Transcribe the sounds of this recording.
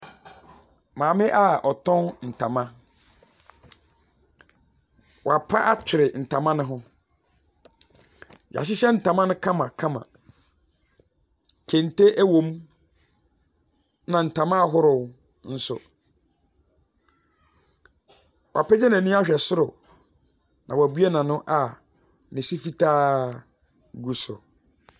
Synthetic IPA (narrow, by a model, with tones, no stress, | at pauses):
mãː˨mɪ̃˦ʔa˦ɔ˨tʰɔ̃˦nn̩˨tʰã˨mã˦ | wa˨pʰa˦ʔa˦t͡ɕʰᶣɪ˨ɾɪ˨n̩˨tʰã˨mã˦nɪ̃˦ɦʊ̃˦ | ja̰˨ɕɪ˦ɕɛ˦n̩˨tã˨mã˦nʊ̃˦kʰã˦mã˨kʰã˦mã̰˨ | kʰɛ̃˨n˨te˦ʔæ˦wõ˨m˦ | nã˨n̩˨tʰã˨mã˦˨ɦʊ˦ɾʊ˨w | n̩˦sʊ̰˨ | wʔa˨pʰɛ˦d͡ʑɛ˦nã˨nĩ˦a˦ɕᶣɛ˨sʊ˦ɾʊ˨ | nã˨wa˨bɥe˦nã˨nʊ̃˦ʔa˨ | nɪ̃˨si˦fi˦tʰaː˦ | ɡu˨sʊ̰˨